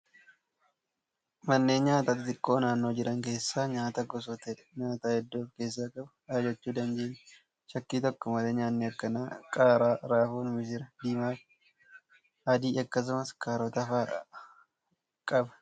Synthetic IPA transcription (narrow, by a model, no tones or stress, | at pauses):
mɐnːe̞ːɲaːt̪aːt̪ɪt̪ɪkʼːo̞ːnaːnːo̞ːd͡ʒɪɾʔɐŋke̞ːsːaːɲaːt̪ɐɡɔs̬ɔt̪ɛ | ɲaːt̪aːhɛd̪ːoːfke̞ːs̬ːaːkʼɐbɐ̥aːd͡ʒɐt͡ʃːuːd̪ɐnd͡ʒeːn | ʃɐkːiːt̪ɔkːɔmɐleːɲaːnːɛɐkːɐnaːkʼaːɾaːɾaːfuːnmɪsɪɾɐd̪iːmaːf | ʔɐd̪iːʔɐkːɐs̬ʊmɐskʰaːɾɔt̪ɐfaː | kʼɐbɐ̥